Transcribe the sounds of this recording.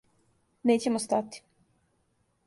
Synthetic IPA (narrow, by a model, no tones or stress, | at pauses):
neːt͡ɕemost̪at̪i̥